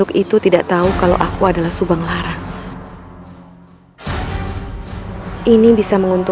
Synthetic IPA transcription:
ʊkit̪ut̪idaʔt̪aukala̰wʔakuadalahsubaŋlaɾa | ʔinibisaməŋunt̪u

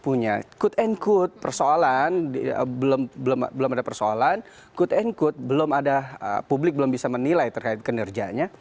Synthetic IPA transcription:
puɲakʊt̪ɛnkʊt̪̚pərsoalaniə̰bəlombəlom̰bəlomadapərsoa̰lan | kʊt̪ɛnkʊt̪̚bəlomadaə̰publɪk̚bəlʊmbisamənilajt̪ərkaɪt̪̚kənərd͡ʒaɲa

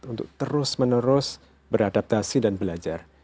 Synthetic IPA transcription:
t̪unt̪ʊ̰k̚t̪əɾʊsmənəɾʊs | bəɾadap̚t̪asidanbəlad͡ʒar

